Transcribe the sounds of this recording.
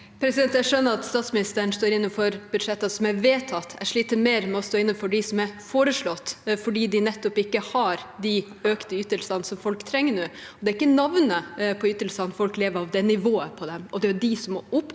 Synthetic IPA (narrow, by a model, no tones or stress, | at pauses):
pʰɾɛsɪd̪ɛnt̪æʂœnːəɾɑt̪st̪ɑːt̪smɪnɪst̪əɳ̩st̪oːɾɪnːənfɔɾb̥ʉd̪ʂɛt̪ːɑsɔmæʋeːt̪ʰɑt̪ːæʂɭiːt̪əmeːɾmɛɔst̪oːɪnːənfɔɖɪsɔmæɾfoːɾəʂɭɔt̪ːfɔɖiːd̪ɪnɛt̪ːʊpɪkːəhɑɾd̪ɪ | øːkt̪əyːt̪əlsɑnsɔmfɔlkt̪ʰɾɛŋːənuːɔd̪ɛæɾɪkːənɑʋnəpʰɔyːt̪əlsɑnfɔlkleːʋəɾɑʋd̪ɛnɪʋoːəpʰɔd̪ɛmɔd̪ɛæɖɪsɔmːoːʔʊpː